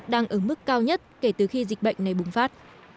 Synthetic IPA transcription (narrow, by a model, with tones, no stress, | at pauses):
ɗaː˧ŋʔəː˧˩mɨ˦˥kːaː˧wɲə˦˥t̚ke˧˩t̪ɨ˨˩xi˧zï̟˨˩ɓə̰˧˨jŋ̟na˨˩jɓʊ˨˩ŋ͡mfaː˦˥t̚